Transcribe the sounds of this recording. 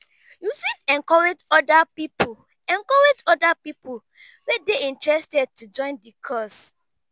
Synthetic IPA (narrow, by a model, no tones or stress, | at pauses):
jufidɛ̃ŋkɔɹed͡ʒɔdapipo | ɛ̃ŋkɔɹed͡ʒɔdapipo | wɛdeĩntɹɛstɛd̚tud͡ʒɔ̃ɪ̃ndikʰɔs